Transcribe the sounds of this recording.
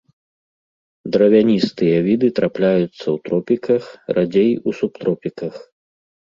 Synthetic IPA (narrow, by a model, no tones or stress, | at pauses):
d̪ɾɐvʲanʲist̪ɨjɐvʲid̪ɨt̪ɾaplʲajut̪sːɐwt̪ɾɔpʲikɐxrʔad͡zʲejusup̚t̪ɾɔpʲikɐx